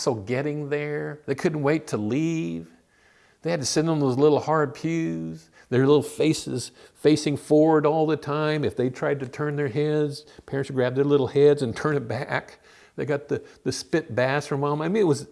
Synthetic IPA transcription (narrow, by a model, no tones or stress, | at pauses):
sol̩ˠɡɛɾɪ̃ŋðə˞ðeɪkʰʊdⁿn̩ʔweɪtʰəliv̥ | ðeɪhɨd̚tɨsɪ̃ndn̩ðoʊzlɪɾl̩ˠhɑɹd̚pʰjʉz | ðə˞lɪɾl̩ˠfeɪsɨ̰z̥ | feɪsɪ̃ŋfɔɹwə˞ɾɔlˠðɨtʰãɪ̃mɨfðeɪtʰɹ̥aɪd̚tɨtʰɜ̃˞nðə˞ɦɛdz̥pʰɛɹɨ̃ntsɡ̥ɹæb̚ðə˞lɪɾl̩ˠhɛdzɨ̃ntʰɜ̃˞nɨt̚b̥æk | ðeɪɡɑt̪̚ðɨðɨspɪt̚b̥æsfʌ̃mɑ̃maɪmĩnɨt̚wʌz